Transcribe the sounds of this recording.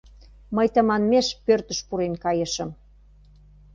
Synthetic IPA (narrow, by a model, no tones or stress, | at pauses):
məjt̪əmɑnmeʃpørt̪ə̆ʃpuɾenkɑjə̆ʃə̆m